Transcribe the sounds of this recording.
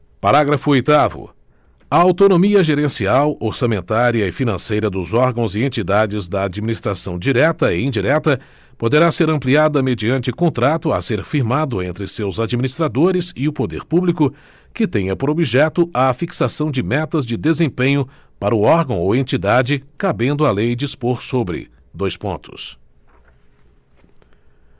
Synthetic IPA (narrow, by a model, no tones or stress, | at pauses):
paɾaɡɾɐfʊojt̪avʊ̰ | ɐawt̪onomiɐʒeɾẽsiawoɾsɐmẽnt̪aɾiɐɪfinɐ̃sejɾɐd̪ʊzɔɾɡɐ̃w̃zɪẽnt͡ʃid̪ad͡ʒɪzd̪ɐːd͡ʒiminist̪ɾasɐ̃w̃d͡ʒiɾɛt̪ɐɪĩd͡ʒiɾɛt̪ɐ | pod̪eɾaseɾɐ̃mpliad̪ɐmed͡ʒiɐ̃nt͡ʃɪkõnt̪ɾat̪ʊa̰seɾfiɾmad̪ʊẽnt̪ɾɪsewzad͡ʒiminist̪ɾad̪oɾɪzɪʊpod̪ḛɾpublikʊ | kɪt̪ẽɲɐpoɾobiʒɛt̪ʊʔɐfiksasɐ̃w̃d͡ʒɪmɛt̪ɐzd͡ʒɪd̪ezẽpẽɲʊ | paɾɐʊɔɾɡɐ̃w̃owẽnt͡ʃid̪ad͡ʒɪkabẽnd̪ʊalejd͡ʒispoɾsobɾɪ̰ | d̪ojspõ̰nt̪ʰʊ̰s